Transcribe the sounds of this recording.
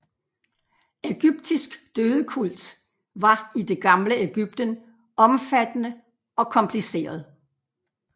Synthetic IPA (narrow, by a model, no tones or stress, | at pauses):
eɡ̥yb̥̚d̥isɡ̥d̥øːðˠəkʰul̰d̥ | ʋɑ̈id̥e̝ɡ̥ɑ̈mləeɡ̥yb̥̚d̥ən | ʔɒ̽mfæd̥ənə | ɒ̽kʰɒ̽mpʰlise̝̰ːɐð̞̩ˠ